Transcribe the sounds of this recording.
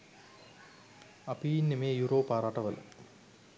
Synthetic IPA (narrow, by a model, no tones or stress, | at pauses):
apijinːemeːjuɾoːpaːɾaʈɐʋələ̰